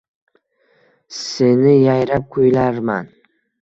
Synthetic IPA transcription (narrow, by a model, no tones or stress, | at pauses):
senɪjajɾap̚kʰʊjlaɾma̰n